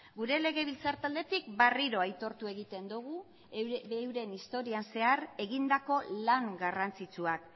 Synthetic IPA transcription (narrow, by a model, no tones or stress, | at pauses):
ɡuɾe̞le̞ɣ̞e̞β̞ilt͡saɾt̪ald̪e̞t̪ik̚bariɾo̞ajt̪o̞ɾt̪ue̞ɣ̞it̪e̞nd̪uɣ̞u | ewɾe̞nist̪o̞ɾianse̞are̞ɣind̪ako̞laŋɡarant͡sit͡suak